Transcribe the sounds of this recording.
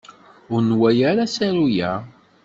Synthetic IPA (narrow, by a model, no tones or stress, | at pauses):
ʊɾnwæjaɾasæɾujæ